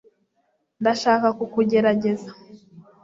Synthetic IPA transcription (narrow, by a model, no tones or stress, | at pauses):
ndaʃaːkakukuɟe̞ɾaɟe̞za